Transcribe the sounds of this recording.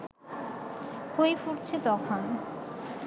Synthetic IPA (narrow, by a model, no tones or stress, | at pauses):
hojfuɾt͡ɕʰet̪ɔkʰon